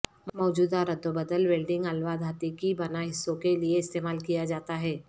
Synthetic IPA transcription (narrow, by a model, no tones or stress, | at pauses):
mɔːd͡ʒuːd̪aɾɐd̪ʱːobəd̪əlʋeːlɖɪ̃ŋɡɐlʋad̪ʱaːt̪ikibɐnaɦɪsːõkelieɪst̪eːmaːlkijad͡ʒaːt̪aɦɛː